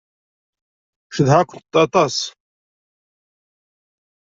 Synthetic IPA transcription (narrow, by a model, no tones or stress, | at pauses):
ʃəðhakʷənt̪ːɑt̪ˤɑs